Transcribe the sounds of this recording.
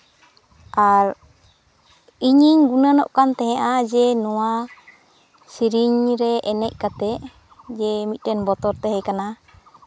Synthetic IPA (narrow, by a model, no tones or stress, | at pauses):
ʔaɾ | iɲiɲɡunanɔ̰ʔkant̪ɛɦɛ̃ʔad͡ʒɛnɔwa | siɾiɲɾɛʔɛnɛc̚kat̪ɛʔ | d͡ʒɛmit̪̚ˀʈɛnbɔt̪ɔɾt̪ɛɦɛkana